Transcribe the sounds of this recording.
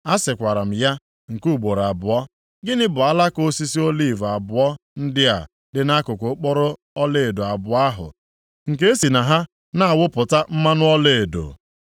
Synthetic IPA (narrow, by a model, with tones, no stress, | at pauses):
a˦sɪ˨kʷa˨ɾa˨m̩˨ja˦ | ŋ̩˨ku˦˨ɡ͡bo˨ɾa˨bʊ˨ɔ˦ | ɡɪ˦nɪ˦bʊ˨a˦la˦ko˦si˦si˦o˦li˦˨va˨bʊ˨ɔ˦n̩˦dɪ˦a̰˨ | dɪ˨na˦kʊ˨kʊ˨˦k͡pɔ˦ɾʊ˦ | ɔ˦le˦˨do˨a˨bʊ˨a˦ɦʊ̰˨ | ŋ̩˨ke˦e˦si˨na˨ɦa˦ | na˦a˨wʊ˦pʊ˨ta˦m̩˦ma˦nʊ˦ɔ˦le˦˨e˨do̰˨